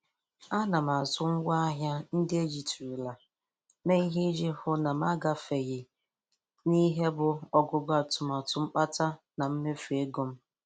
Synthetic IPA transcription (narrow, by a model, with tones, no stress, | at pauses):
a˦na˨m̩˨a˨zʊ˦ŋ̩˦ɡʷa˦a˦ɦja˦n̩˦dɪ˦e˦d͡ʒi˨tu˨u˨la˨ | me˦i˦ɦi˦d͡ʒi˦hʊ˦na˨m˦a˦ɡa˨fe˨ɣɪ˨ | ni˦ɦe˦bʊ˨ɔ˨ɡʊ˦ɡa˨tʊ˨m˨ɔ˨tʊ˦ŋ͡m̩˦k͡pa˦ta˦ | na˨m̩˦me˦fu˨e˦ɡo˨m̩˦